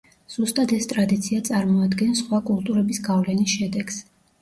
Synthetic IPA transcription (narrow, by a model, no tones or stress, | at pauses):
z̥ust̪ʼad̪ɛst̪ʼɾad̪it̪sʰiat̪sʼaɾmɔad̪ɡɛnsχwakʼulˠt̪ʼuɾɛbisɡavlɛnisʃɛd̪ɛɡs